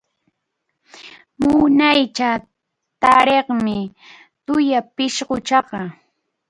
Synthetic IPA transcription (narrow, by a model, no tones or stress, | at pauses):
mʊnajt͡ʃa | t̪aɾeχmɪ | t̪ʊjapɪʃɢʊt͡ʃɑɢɑ